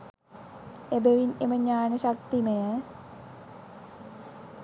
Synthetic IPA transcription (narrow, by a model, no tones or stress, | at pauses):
ebeʋineməɲaːnəɕakt̪iməjə